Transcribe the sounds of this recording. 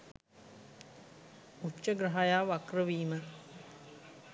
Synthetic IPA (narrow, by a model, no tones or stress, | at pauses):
utːt͡ʃːəɡɾaɦajaːʋakrəʋiːmə